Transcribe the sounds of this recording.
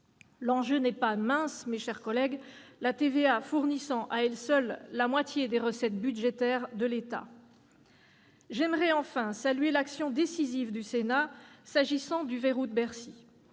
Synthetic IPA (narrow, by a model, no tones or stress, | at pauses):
lɑ̃ʒønɛpamɛ̃smeʃɛʁkɔlɛɡlat̪eveafuʁnisɑ̃ʔaɛlsœlːamwat̪jed̪eʁəsɛt̪̚byd̪ʒet̪ɛʁd̪əlet̪a̰ | ʒɛmʁɛɑ̃fɛ̃salɥelaksjɔ̃d̪esizivd̪ysenasaʒisɑ̃d̪yveʁud̪bɛʁsi